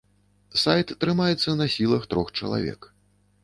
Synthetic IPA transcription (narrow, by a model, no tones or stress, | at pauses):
sajt̪ːɾɨmajɛt̪sːɐnɐsʲilˠɐxt̪ɾɔxt͡ʂɐ̰lˠa̰vʲɛ̰k